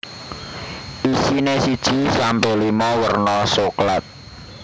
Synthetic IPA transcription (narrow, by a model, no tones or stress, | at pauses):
ʔisinesid̥ʒ̥isampolimɔwərnɔsoklat̪̚